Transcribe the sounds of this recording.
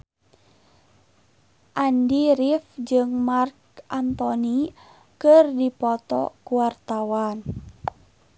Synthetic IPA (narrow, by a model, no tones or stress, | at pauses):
ʔandiɾifd͡ʒɨŋmarkʔant̪ɔni | kɨrdipɔt̪ɔ̰kuwart̪awan